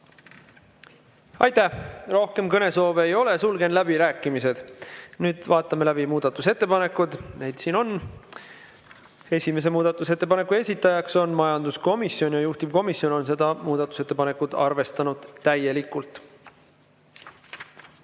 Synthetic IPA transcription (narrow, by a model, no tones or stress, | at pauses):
ɑjt̪æhro̞hke̞mkɤne̞so̞ːveejo̞le̞sulɡe̞nlæbiɾæːkːˑimise̞d̪̥nyːd̪̥vɑːt̪ːˑɑme̞læbimuːd̪̥ɑt̪ːˑuse̞t̪ːe̞pɑne̞kːˑud̪nejd̪̥siːno̞n | e̞sʲime̞s̬e̞muːd̪̥ɑt̪ːˑuset̪ːe̞pɑne̞kːˑue̞sʲit̪ːˑɑjɑkso̞nmɑjɑnd̪̥usko̞misjo̞njɑjuht̪ibko̞misjo̞no̞ns̬e̞d̪ɑmuːd̪̥ɑt̪ːˑu̥se̞t̪ːepɑne̞kud̪ɑrve̞st̪ɑnud̪̥t̪ːæje̞likːˑult̪ˑ